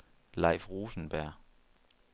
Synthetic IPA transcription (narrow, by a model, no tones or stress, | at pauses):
lɑ̈ɪfʁuːsn̩b̥æɐ̰